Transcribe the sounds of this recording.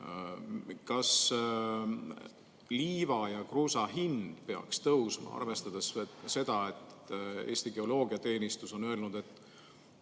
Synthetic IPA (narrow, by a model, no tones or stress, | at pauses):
kɑs | liːvɑjɑkruːsɑɦind̪̥pe̞ɑ̰kst̪ɤwsmɑ̰ɑ̰rve̞st̪ɑd̪esse̞d̪̥ɑe̞t̪ːe̞̰ːst̪iɡ̥e̞o̞lo̞ːɡ̥iɑt̪e̞ːnist̪uso̞nøe̞lnud̪̥e̞t̪ːˑ